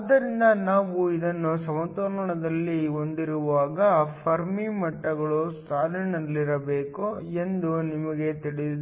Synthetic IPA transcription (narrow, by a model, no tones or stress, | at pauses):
ɐd̪ːɐɾind̪ɐnaːʋuid̪ɐnːusɐmɐt̪oːɾɐɳɐɳɐd̪ɐlːio̞nd̪iɾuʋaːɡɐpʰɐɾmimɐʈːɐɡɐɭusaːlɐnɐlːiɾɐbeːkue̞nd̪unimɐɡe̞t̪iɽiid̪